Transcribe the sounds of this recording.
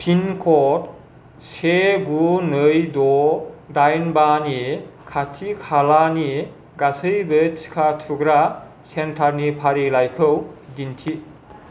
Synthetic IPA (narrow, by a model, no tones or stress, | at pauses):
pʰinkʰɔt | seɡunɯjdɔdajnbanikʰatʰikʰalani | ɡasɯjbet͡ʃkʰatʰuɡɾa | sentʰaɾnipʰaɾilajkʰɯwdintʰi